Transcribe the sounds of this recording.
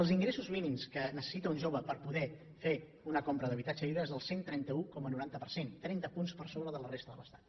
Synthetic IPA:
əlˠziŋɡɾesuzminimskənəsə̥sit̪əunʲʒoβəpəɾpuðɛ | fe | unəkompɾəðəβit̪ad͡ʒəliβɾəezðəlˠsent̪ɾɛnt̪əukɔmənuɾant̪əpəɾsent̪ɾɛnt̪əpunspəɾsoβɾəðələrest̪əðələst̪ḁt̪

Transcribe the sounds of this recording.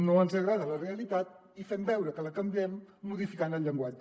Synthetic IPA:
noənzəɣɾaðələreəlit̪at̪̚ | ifɛmbɛwɾəkələkəmbiɛmːuðifikanəlʎəŋɡwad͡ʒə

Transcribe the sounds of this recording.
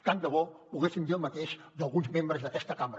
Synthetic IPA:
kand̪əβɔpuɣesind̪iəlˠmət̪eʃ | d̪əlˠɣunzmembɾəzðəkɛst̪əkamɾə

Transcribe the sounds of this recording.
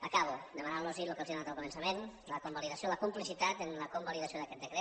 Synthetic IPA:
əkaβ̞ud̪əmanalˠnɔzilukəzjonat̪əlˠkumənsəmenləkumbaliðasioləkumplisit̪at̪ənləkumbaliðasioðəkɛt̪d̪əkɾe

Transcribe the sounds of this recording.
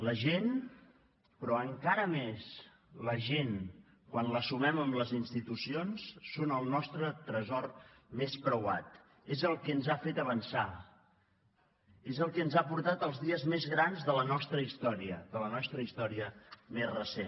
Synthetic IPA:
ləʒen | pɾɔəŋkaɾəmes | ləʒen | kwanləsumɛməmləzinst̪it̪usionsːonəlˠnɔst̪ɾət̪ɾəzɔrmespɾəwat̪ | ezəlˠkɛənzafet̪əβənsa | ezəlˠkɛənzapuɾt̪at̪əlˠzðiəzmezɣɾanzðələnɔst̪ɾəist̪ɔɾiəðələnɔst̪ɾəist̪ɔɾiəmezrəsen

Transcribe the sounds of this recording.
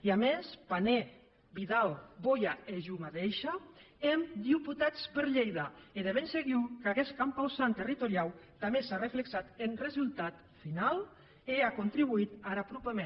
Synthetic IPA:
iamespane | βiðalbojaeʒumaðejʃa | emd̪iput̪at͡spəɾʎejðaeðeβenseɣiwkaɣeskampawsant̪erit̪oɾiawt̪amesarefleksat̪enrezulˠt̪at̪ | final | eakont̪ɾiβ̞uit̪aɾapɾupeme

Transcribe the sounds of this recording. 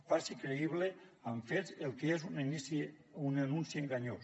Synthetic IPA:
fasikɾeiβleaɱfezelˠkeezunisunenunsieŋɡaɲos

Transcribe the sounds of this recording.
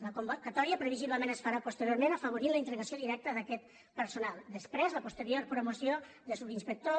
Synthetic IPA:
ləkumbukət̪ɔɾiəpɾəβiziβləmenəsfaɾapust̪əɾjoɾmenəfəβ̞uɾinləint̪əɾɣəsioðiɾɛk̚t̪əðəkɛt̪ | pəɾsunalˠd̪əspɾɛzləpust̪əɾijoɾpɾumusjo | ðəsuβinspək̚t̪o

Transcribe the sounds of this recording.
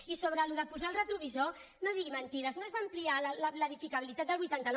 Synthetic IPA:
isoβ̞ɾəluðəpuzaəlˠrət̪ɾuβ̞izo | noðiɣimənt̪iðəznoəzβaːmplialləpləðifikəβilit̪at̪̚d̪əlˠβujt̪ant̪ən

